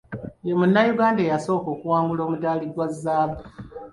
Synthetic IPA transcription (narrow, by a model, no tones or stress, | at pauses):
jemunːajuɡaːndejaso̞ːko̞ːkuwaːŋɡulo̞ːmudaːliɡwazːaːba